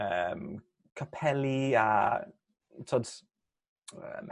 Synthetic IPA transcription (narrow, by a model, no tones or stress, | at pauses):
əm | kʰapʰɛlia | tʰoːd | ə̰m